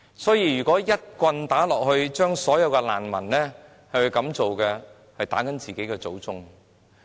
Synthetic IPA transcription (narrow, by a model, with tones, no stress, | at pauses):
sɔː˨˥jiː˧jyː˨˩kɔː˨˥jɐ˥t̚kʷɐ˧nt̪aː˨˥lɔː˨k̚hɵ˧ɥt͡ʃœː˥ŋsɔː˨˥jɐ˨˧wkɛ˧la̰ː˨˩nmɐ̰˨˩nlɛː˥ | hɐ˨jwu˨˧ɥkɐ˨˧˥mt͡so˨wkɛ˧ | hɐ˨jt̪a̰ː˨˥kɐ˨˥nt͡siː˨ke˨˥jkɛː˧t͡so˨˥wt͡sʊ˥ŋ